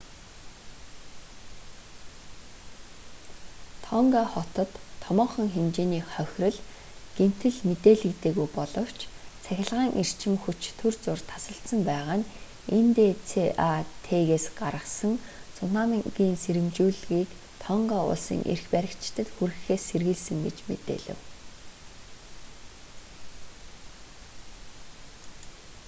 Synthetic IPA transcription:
t̪ʰɔŋɡaχɔt̪ɞ̆t̪ʰːɔmɔːχɞ̆ŋxemt͡ɕeːniːχœxʲrɞ̆ɮ | ɡ̥em̥t̪ɘ̆ɮmet̪eːɮɘ̆kt̪eːɣujpɔɮɞ̆w̥t͡ɕʰt͡sʰæxʲɪ̆ɮʁaːŋʔir̥t͡ɕʰɪ̆mxut͡ɕt̪ʰɵrt͡sʊrt̪ʰḁsə̆ɬt̪sə̆mpæːʁaːn | ent̪eːt͡sʰeʔat̪ʰeːɣeːsɢaɾə̆χsə̆ŋt͡sʰʊnaːmɡiːnseɾɘ̆mt͡ɕuːɮɣiːk | t̪ʰɔɴɢaːʊ̰ɮsḭːŋʔḛrxpæɾʲɪ̆kt͡ɕɪ̥t̪ə̆t̪xuɾɘxeːsːerɣɘ̆ɮsɘ̆ŋɡet͡ɕmḛt̪ḛːɮɘ̆w

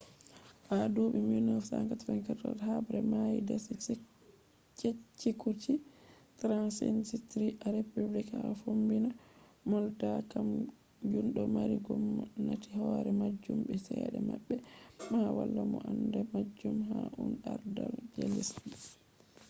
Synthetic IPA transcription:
ʔadoːɓiminɔfsaŋkatfɛnkɛɾtɔlhabɾɛmajidɛs | t͡ʃet͡ʃːikut͡ʃi | tɾansinsitɾiʔaɾepublikafombinamɔldakam | d͡ʒunɗɔmaɾiɡɔmnatihɔɾɛmad͡ʒːumɓɛsɛaɗɛmaɓːɛmawalːamɔʔandamad͡ʒːumɦaʔunɗaɾdald͡ʒelisi

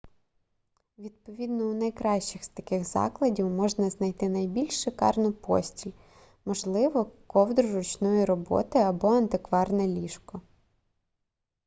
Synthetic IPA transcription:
ʋʲid̪̚pɔʋʲid̪nɔunɐjkɾɑʃt͡ʃɪxst̪ɐkɪxzɑ̰klˠɐdʲiwmɔʒnɐznɐjt̪ɪnɐjbʲilʲʃːɪkɑ̰rnʊpɔ̰sʲtʲilʲ | mɔʒlˠɪʋɔkɔwd̪ɾʊɾʊt͡ʃnɔjiɾɔbɔ̰t̪ɪɐbɔɐnt̪ɪkʋɑrnɛlʲiʃkɔ

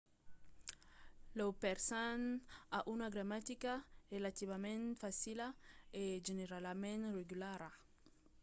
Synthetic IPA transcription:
lowpeɾsanaʔunaɡɾamat̪ikarelat̪iβamẽnfasilaeʒeneɾalamẽnreɡylaɾa

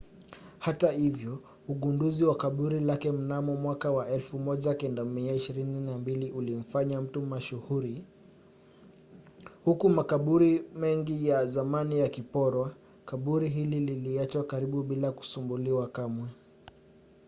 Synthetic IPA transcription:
hatahivjɔ | uɠunduziwakaɓuɾilakɛm̩namɔmwakawaʔɛlfumɔʄakɛndamiaiʃiɾininambiliʔulim̩faɲam̩tumaʃuhuɾi | hukumakaɓuɾimɛŋɡijazamanijakipɔɾwa | kaɓuɾiɦilililiat͡ʃwakaɾiɓuɓilaku̥sumbuliwakamwɛ

